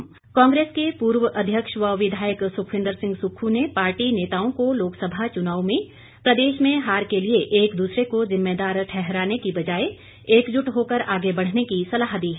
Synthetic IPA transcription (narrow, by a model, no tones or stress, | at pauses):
kɔ̃ːŋɡɾeːskepuːɾʋəʔɐd̪ʱjəkʃʋəʋɪd̪ʱaːjəksʊkʰʋɪ̃nd̪əɾsɪ̃ŋɡsʊkʰːunepaːɾʈineːt̪aːõkoloːksəbʱat͡ʃʊnaːʋmẽ | pɾɐd̪eːʃmẽɦaːɾkelieʔeːkd̪uːsɾekozɪmːeːd̪aːɾʈʰɛɦɾaːnekibɐd͡ʒaːe | eːkd͡ʒʊʈɦoːkəɾaːɡebɐɽ̤nekisɐlaːɦd̪iːɦɛː